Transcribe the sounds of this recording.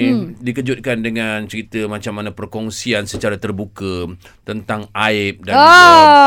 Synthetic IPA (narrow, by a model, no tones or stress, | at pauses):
dikəd͡ʒut̪̚kandəŋant͡ʃəɾit̪əmãt͡ʃamːanãpərkɔŋsiansət͡ʃaɾat̪ərbukə | t̪ənt̪aŋʔaɪp̚da